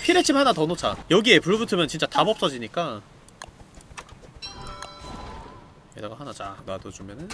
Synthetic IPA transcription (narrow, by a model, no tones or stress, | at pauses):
pʰiɾet͡ɕʰimhanatʌnot͡ɕʰa̰jʌɡie̞puɭbutʰɯmjʌnt͡ɕint͡ɕ͈atabʌp̚s͈ʌd͡ʑiɲik͈a | edaɡaɦanad͡ʑa̰nadot͡ɕumjʌnɯn